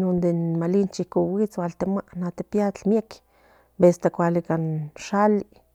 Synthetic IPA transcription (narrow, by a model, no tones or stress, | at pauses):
nond̪enmalint͡ʃikowit͡swalt̪emaʔnat̪epjat͡ɬmjek | best̪akʷalikanʃali